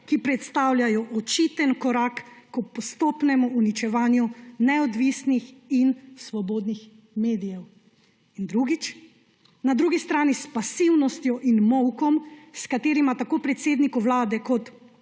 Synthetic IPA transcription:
kipɾɛt̪st̪aːwljajɔʔɔt͡ʃit̪ənkɔɾaːkːɔpɔst̪oːpnɛmɔunit͡ʃɛʋaːnjunɛɔd̪ʋisnixinsʋɔboːd̪nix | meːd̪ijɛw | ind̪ɾuːɡit͡ʃ | nad̪ɾuːɡist̪ɾaːnispasiwnɔst̪jɔʔinmɔwkɔmskat̪eːɾimat̪akoːpɾɛt̪seːd̪nikuʋlaːd̪ɛkɔt̪

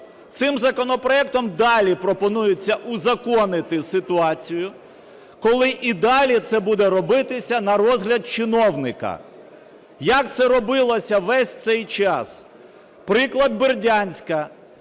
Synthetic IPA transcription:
t̪sɪmzɐkɔnɔpɾɔɛk̚t̪ɔmd̪ɑlʲipɾɔpɔnujʊt͡sʲːɐʔʊzɐkɔnɪt̪ɪsɪt̪ʊɑt͡sʲijʊ | kɔlˠɪʔid̪ɑlʲit̪sɛbud̪ɛɾɔbɪt̪ɪsʲɐnɐɾɔzɦlʲɐd̪̚t͡ʃɪnɔwnɪkɐ̰ | jɐk̚t̪sɛɾɔbɪlˠɔsʲɐʋɛsʲt̪sɛjt͡ʃɑs | pɾɪklˠɐd̪̚bɪrdʲanʲsʲkɐ

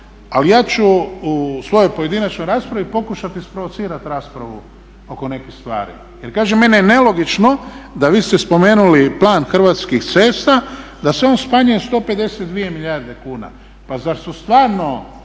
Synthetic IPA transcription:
alijaːt͡ʃuusʋo̞jo̞jpoje̞d̪inat͡ʃnojɾaːspɾaʋipo̞kuʃat̪ispɾoʋot̪siːɾat̪ɾaːspɾaʋu | o̞ko̞ne̞kist̪ʋa̰ːɾḭ | je̞ɾkaːʒeme̞nijene̞lo̞ɡit͡ʃno̞d̪aʋiːst̪espo̞meːnuliplˠaːnxr̩ʋaːt̪skixt̪seːst̪a | d̪aseo̞ːnspaɲujest̪o̞ːpe̞d̪e̞set̪̚d̪ʋije̞miʎʲaːɾd̪e̞kuːna̰ | pazaɾsust̪ʋaːɾno̞

